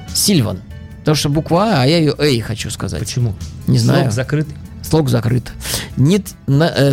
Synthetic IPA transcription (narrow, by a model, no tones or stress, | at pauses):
sʲilʲvə̰n | pt̪ɐmuʂt̪obʊkvaɐjajɪjoʔɛxɐt͡ɕuskɐza̰tpət͡ɕɪmunʲɪznajʊzɐkɾɨt̪slˠokzɐkɾɨt̪nʲɪt̪ | nɐ